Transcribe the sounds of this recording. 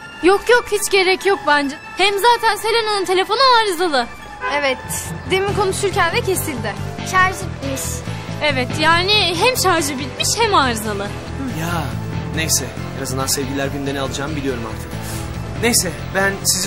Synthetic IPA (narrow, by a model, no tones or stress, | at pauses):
jokʰjokhit͡ʃɟe̞ɾɛcjok̚bænd͡ʒɛ | hɛmzaːt̪ʰænse̞lʲenonunt̪ʰe̞lʲe̞fo̞nuaːɾzalˠɯ | evɛt̪d̪emikʰo̞nuʃuɾcænvɛcʰe̞silʲd̪ɪʃaɾʒɯbilʲmiʃevɛt̪jaːnɪɦɛmʃaɾʒɯbilʲmiʃhɛmaːɾzalˠɯ | janejsɛ | henazɯnd̪ansɛvɟilʲæɾɟynd̪enɛalˠɯd͡ʒaːmbilʲijo̞ɾuma̰ɾt̪ʰɯ̥k | nejsɛ | bænsiz